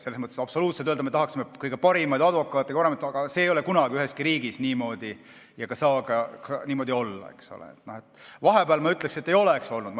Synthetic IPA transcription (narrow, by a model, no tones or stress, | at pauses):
selesmɤt̪ːˑesɑb̥so̞luːt̪selt̪øld̪ɑmet̪ɑɦɑksimekɯjɡ̥e̞pɑɾimɑjd̪ɑd̪vo̞kːˑɑːt̪ːˑekɑpɑɾemɑjt̪ɡ̥ɑseːjo̞lekunɑɡ̥iyɦeskiɾiːɡisniːmo̞ːd̪̥i | jɑkɑsɑːɡɑkniːmo̞d̪io̞lːɑ̰e̞̰kso̰lḛḛt̪nohet̪vɑɦe̞bæːlmɑyt̪ːˑleksiet̪ːˑejo̞lekso̞lnud̪m